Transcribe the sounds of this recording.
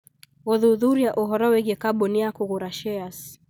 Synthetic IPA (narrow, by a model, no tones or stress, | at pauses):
ɣɔðuðuɾijaʔɔɦɔɾɔwɛɡɛkaɓɔniakuɣuɾaʃɛas